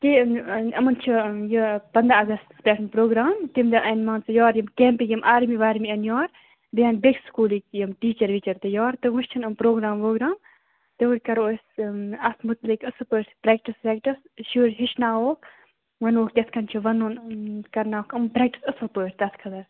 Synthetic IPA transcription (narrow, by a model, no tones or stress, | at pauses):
t̪iɐmɐnt͡ʃʰijipɐnd̪ɾaɐɡɐst̪spʲɛːʈʰɨnpɾoːɡɾaːmt̪imd̪ɐʔɐnmaːnt͡sɨjɔːɾjɐmkeːmpikjɐmʔaːɾmiʋaːɾmiɐnjɔːɾ | bijɐːnbekskuːlikjɐmʈiːt͡ʃɐɾʋit͡ʃɐɾt̪ɨjɔːɾt̪ɨʋɨʃt͡ʃʰɐnɐmpɾoːɡɾaːmʋoːɡɾaːm | t̪ɨʋuɾʲkɐɾoːsɐsmut̪likɨsɨpoɾpɾeːk̚ʈispɛːkʈis | ʃuːɾɦiʃnaːwoːk | ʋɐnoːkt̪ʲɐskʰɐnt͡ʃʰiʋɐnuːnkɐɾnaːokɨmpɾɛːk̚ʈi̥sɐsɨpoːɾʲt̪ɐskʰɐd̪ɐɾ